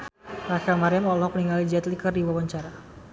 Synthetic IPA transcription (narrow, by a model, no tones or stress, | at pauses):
rakamaɾɛmɔlɔpəniŋalid͡ʒɛt̪likərdiwawaɲt͡ʃaɾa